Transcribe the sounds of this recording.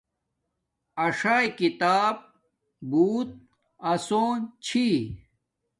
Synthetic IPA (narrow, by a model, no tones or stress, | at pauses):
ɐʂaːjkit̪aːb̚ | buːt̪̚ | ɐsoːnt͡ɕʰi